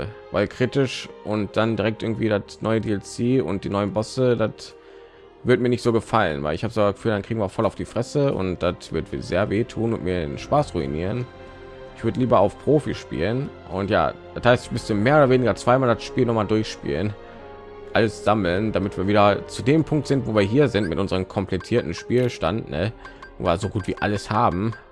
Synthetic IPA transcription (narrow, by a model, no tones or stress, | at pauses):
vaɪlkʁ̥itɪʃʔʊnt̚d̥andiʁɛktʔɪɐɡŋ̩tv̥iːdatnɔʏədiɛlseːʊ̰nt̚d̥iːnɔʏənbɔsədat | vɪɐtmiɐnɪçtz̥oːɡəfalə̰nva̰ɪlɪçhaːbəszoasɡ̥ə̥fyːldankʁ̥iːɡŋviːɐfɔlaʊfd̥iːfʁ̥ɛsəʊ̰ntd̥atv̥ɪɐtvzeːɐveːtʰuːnʊntmiːɐdḛːnʃpaːsʁuḭnḭːʁ̞ən | ʔɪçv̥ʏɐdəliːbɐaʊfpʁ̥oːfiʃpḭːlən | ʔʊ̰ntja̰ːd̥athaɪstmɪsəmeːɐoːdɐveːnɪɡɐt͡sv̥aɪmaːldaʃpiːlnɔχmaːldʊɐçʃpḭːlən | ʔaləsz̥aml̩ndamɪtv̥iːɐviːdɐt͡sudeːmpʰʊŋk̚tz̥ɪntv̥oːviːɐɦiːɐzɪntmɪtʔʊnzəʁəmkʰɔmplɛtʰiːɐtn̩ʃpiːlʃtandnə̰vazoːɡuːtv̥iːʔa̰ləshaːbm̩